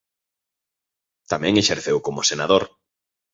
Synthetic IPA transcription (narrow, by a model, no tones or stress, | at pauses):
t̪amɛ̃ŋeʃeɾθewkomosenaðoɾ